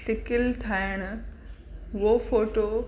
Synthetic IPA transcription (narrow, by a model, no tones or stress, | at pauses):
sɪkɪlt̪ʰaːɪɽ̃ | ʋoːfoːʈoː